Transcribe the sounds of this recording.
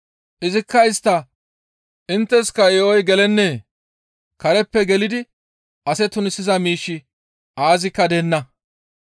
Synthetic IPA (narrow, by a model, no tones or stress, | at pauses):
ʔɪzɪkːɐɪst̪ːɐ | ʔɪnt̪ːɛskɐjɛʔɔjɡɛlɛnːeː | kɐɾɛpːɛɡɛlɪd̪ɪ | ʔɐsɛt̪ʊnɪsːɪzɐmiːʃːɪ | aːzɪkːɐd̪ɛnːɐ